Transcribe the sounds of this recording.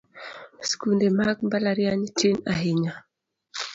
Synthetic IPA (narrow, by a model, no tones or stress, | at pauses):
skundɛmaɡmbalaɾiaɲitinaɦiɲa